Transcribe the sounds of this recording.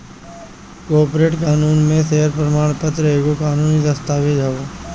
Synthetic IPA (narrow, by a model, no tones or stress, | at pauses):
koːpɾeːʈkaːnuːnmẽseːəɾpɾəmaːɳ̃pət̪ɾəeːɡokaːnuːnid̪əst̪aːʋed͡ʒaːoː